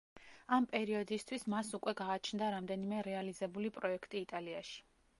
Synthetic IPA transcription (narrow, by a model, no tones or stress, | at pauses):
ampʼɛɾiɔd̪ist̪ʰwismasukʼwɛɡaːt͡ʃʰnd̪aɾamd̪ɛnimɛɾɛalizɛbulipʼɾɔɛkʰt̪ʼiːt̪ʼaliaʃi̥